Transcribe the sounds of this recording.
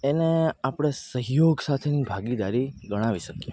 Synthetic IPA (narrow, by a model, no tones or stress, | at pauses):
eneapɽ̃esəɦjoɡsat̪ʰenibʱaɡid̪aɾiɡəɽ̃aʋiʃəkje